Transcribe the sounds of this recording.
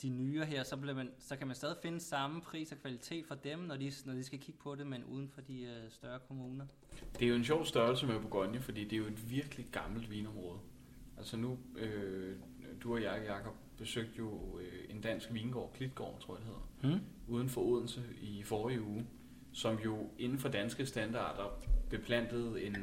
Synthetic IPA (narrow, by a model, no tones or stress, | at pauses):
d̥inyːɐɦeɐ̰sɒ̽b̥liɐmænsɒ̽kʰæmænsd̥ɛːðˠife̝nəsɑ̈məpʰʁḭːsɒ̽kʰʋælit͡sʰe̝̰ːd̥fɒ̽d̥emnɒdinɒd̥isɡ̥ækʰiɡ̥ə̥pʰɒ̽de̝menʔṵːð̞ˠn̩fɒ̽d̥isd̥ɶɐkʰo̝muːnɐ | d̥e̝æjo̝e̝nɕ̬ɒʊ̰sd̥ɶɐlsəmeb̥oɡ̥ɒnjəfɒ̽d̥ḭːd̥eæjo̝e̝d̥ʋiɐɡ̥əli̥ɡ̥ɑ̈ml̩d̥ʋiːnɒ̽mʁɔ̽ːð̞̩ˠ | ʔæl̰sənuø | d̥uɒjɑ̈jɑ̈kʰɒ̽b̥̚b̥e̝søɡ̥̚d̥jo̝e̝nd̥æn̰sɡ̥ʋiːnɡ̥ɒ̰ːkʰlid̥̚ɡ̥ɒ̰ːt͡sʰo̝̰ɐ̰d̥ehe̝ð̰ˠɐʔuːð̞ˠn̩fɒ̽o̝ð̰ˠn̩səifɒːʁiuː | sɒ̽mjo̝e̝nn̩fɒ̽d̥ænsɡ̥əsd̥ænd̥ɑ̰̈ːd̥ɐb̥e̝pʰlæn̰d̥əð̞̩ˠe̝n